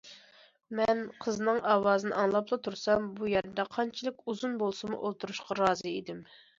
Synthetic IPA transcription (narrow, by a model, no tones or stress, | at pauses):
mɛnqʰəznɨŋɑwɑːzɨnɨ̰ʔɑŋlˠɑplˠɑt̪ʰuɾsɑmbujɛɾd̪ɛqʰɑnt͡ʃʰilˠɨkʲuzunbolˠsɨmṵʔolˠt̪ʰuɾuʃqʰɑɾɑːzɨid̪ɪm